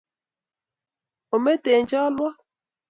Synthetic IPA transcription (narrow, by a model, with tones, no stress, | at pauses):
o˨me˦te˨n˦d͡ʒɔ˦lwɔ˦